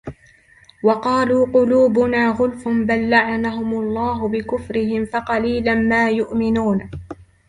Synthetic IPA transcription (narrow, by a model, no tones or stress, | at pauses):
wɑqɑːluːqʊluːbʊnaːɣʊlfʊnbalːaʕanaɦʊmʊlˤːɑːɦʊbɪkʊfɾɪhɪmfɑqɑliːlanmaːjʊʔmɪnuːn